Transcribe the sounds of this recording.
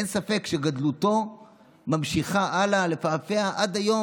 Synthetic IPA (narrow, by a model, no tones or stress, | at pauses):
ensafe̞kʃe̞ɡadluto̞ | mamʃiχaʔalale̞fafe̞aʔad̪ajo̞